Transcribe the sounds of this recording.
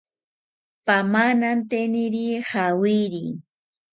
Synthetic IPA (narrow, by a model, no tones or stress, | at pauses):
pamanant̪eniɾihawiɾḭ